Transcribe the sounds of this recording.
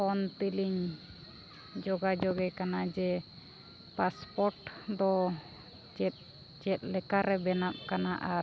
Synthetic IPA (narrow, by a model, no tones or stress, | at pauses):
ɔnt̪iliɲ | d͡ʒɔɡad͡ʒɔɡɛkanad͡ʒɛ | paspɔɾʈd̪ɔ | d͡ʒɛt̪̚ | t͡ʃɛt̪̚ˀlɛkaɾɛbɛnap̚kanaʔa